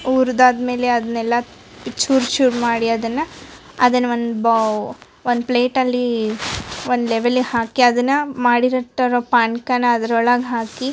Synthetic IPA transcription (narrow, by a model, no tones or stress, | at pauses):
uːɾd̪aːd̪me̞ːleɐd̪ɐnɛlːɐ | it͡ʃːuːɾt͡ʃuːʈmaːɽiɐd̪ɐnːɐ | ɐd̪ɐnːɐond̪b | ond̪pleːʈɐlːi | ond̪leʋelːihaːkiɐd̪ɐnːɐmaːɽiɾɐʈːɐɾoːpaːɳkɐnɐɐd̪ɐɾɔɭɐɡɦaːki